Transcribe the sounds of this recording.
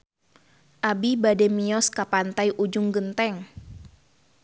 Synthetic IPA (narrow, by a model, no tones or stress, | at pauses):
ʔabibadɛmiɔskapant̪ajʔud͡ʒʊŋɡənt̪ɛŋ